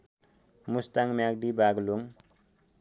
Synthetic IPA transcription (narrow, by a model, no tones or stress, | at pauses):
mustaŋmak̚ɖibaɡluŋ